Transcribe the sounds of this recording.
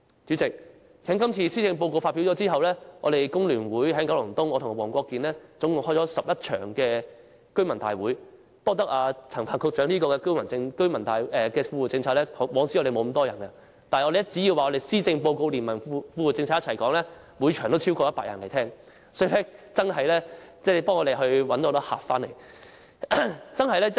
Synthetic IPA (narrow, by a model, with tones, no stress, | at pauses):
t͡ʃy˨˥t͡sɪ˨k̚ | kʰɛ˨˥ŋkɐ˥mt͡sʰiː˧siː˥t͡sɪ˧ŋp̬o˧wko˧wfaː˧t̚pi˨˥wt͡ʃɔː˨˥t͡siː˥ɦɐ˨wlɛː˥ŋɔ̰ː˨˧ɾe˨jkʊ˥ŋlyː˨˩nwuː˨˥jhɐ˨˥ŋkɐ˨˥wlʊ˨˩ŋt̪ʊ˥ŋɔː˨˧t̪ʰʊ˨˩ŋ˨wɔː˨˩ŋkʷɔː˧kːiː˨˧nlɛː˥t͡sʊ˨˥ŋkʊ˨˩hɔː˥jt͡ʃɔː˨˥sɐ˨p̚jɐ˥t̚t͡ʃʰœ̰ː˨˩ŋkɛː˧ | kɵ˥ɥmɐ˨˩nt̪a̰ː˨jwuː˨˥j | t̪ɔː˥t̪ɐ˥k̚aː˧t͡sʰɐ˨˩ŋpʰaː˨˩nkʰʊ˧k̚t͡ʃœː˨˥ŋliː˥kɔː˧kɛ˧kɵ˥ɥmɐ˨˩nɪ˧ŋkɵ˥ɥmɐ˨˩nt̪aː˨jʔɛ˨˧kɛː˧fuː˧u˨˩t͡sɪ˧ŋt͡sʰaː˧t̚lɛː˥˨˥wɔː˨˥ŋsi˧˥ɔ˨˧ɾe˨jmo˨˧wm̩˨˧˦t̪ɔː˥jɐ˨˩nkɐ˧ | t̪aː˨ɔ˨˧e˨˩ɛ˥t͡si˨˥jiː˧waː˨ɔ˧d̪e˨˩siː˥t͡sɪ˧ŋpo˧wko˧wliː˨˩nmɐ˨˩nfuː˧wu˨t͡sɪ˧ŋʰaː˧jɐ˥t͡sʰɐ˨˩jkɔː˨˥ŋlɛː˥ | mu˨˧jt͡ʃʰœ˨˩ŋt̪o˥wt͡sʰi˥wkɔː˧jɐ˥t̚paː˧k̚jɐ̰˨˩nle˨˩jt̪ʰɛː˥ŋ | sɔː˨˥ji˨˧lɛ˥t͡sɐ˥nɦɐ˨jlɛː˥t͡sɛː˥˩pɔː˥ŋɔː˨˧e˨jɦɵ˧ɥwɐ˨˥nt̪ɔː˨˧˥t̪ɔ˥ha̰ː˨pfaː˥nle˨˩j | t͡sɐ˥nɦɐ˨jlɛː˥